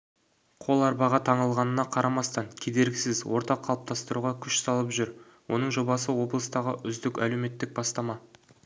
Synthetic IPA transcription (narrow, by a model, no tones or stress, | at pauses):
qʰo̞lˠɑɾbɑʁɑt̪ʰɑɴəlˠʁɑnənɑqʰɑɾʔɑmɑst̪ɑŋkʲʰe̞d̪e̞ɾɡʲɪsɪzwo̞ɾt̪ɑqʰːɑlˠəp̚t̪ʰɑst̪əɾuʁɑkʲʰʏʃsɑlˠəpʒʏɾ | wo̞nəɴʒo̞bɑsəwo̞blˠəst̪ɑʁəʔʏzd̪ɪkʲæle̞wme̞t̪ːɪk̚bɑst̪ɑmɑ